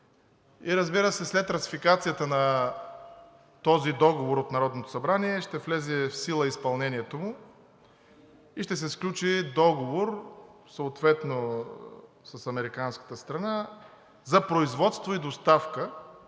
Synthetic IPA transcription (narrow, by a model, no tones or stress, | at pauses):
iɾəzbiɾəsɛslɛt̪ɾɐsifikat̪sijət̪ənɐ | t̪ɔzid̪ɔɡovoɾot̪nɐɾɔd̪not̪o̥sɐbɾaniɛʃt̪ɛflɛzɛfsilˠəispɐlˠnɛniɛt̪omʊ | iʃt̪ɛs̬ɛsklʲut͡ʃid̪ɔɡovoɾsəʊːt̪vɛt̪no | səsɐmɛɾikanskə̥t̪əst̪ɾɐna | zɐpɾoizvɔt̪st̪void̪ost̪afkə